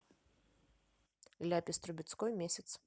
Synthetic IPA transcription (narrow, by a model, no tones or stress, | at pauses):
lʲapʲɪst̪ɾʊbʲit̪skɔjmʲesʲɐt̪s